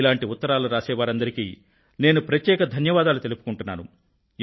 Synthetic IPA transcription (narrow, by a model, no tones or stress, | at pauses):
laːɳʈiut̪ːɐɾaːluɾaːsɛːʋaːɾɐnd̪ɐɾikiː | ne̞ːnupɾɐt̪jɛːkɐd̪ʱɐnjɐʋaːd̪aːlut̪e̞lupu̥kuɳʈunːa̰ːnṵ